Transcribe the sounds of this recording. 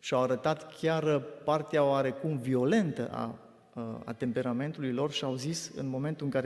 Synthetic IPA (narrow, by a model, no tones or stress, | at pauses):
ʃiawaɾət̪at̪kʲarpart̪eaoaɾe̞kumvio̞le̞nt̪əʔa̰ | a̰t̪e̞mpe̞ɾame̞nt̪ulujlo̞rʃiawzisɨ̰nmo̞me̞nt̪uɨŋkaɾe